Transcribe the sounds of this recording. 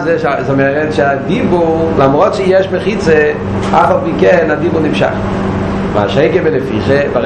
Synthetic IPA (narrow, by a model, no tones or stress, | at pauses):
zɛʃazomɛʁɛtʃɪadibulamʁɔtʃɪjɛʃməχit͡se | afalˠpikɛnadibʊnimʃa̰χ | ma̰ʃeɪɡəvɛləfiχeva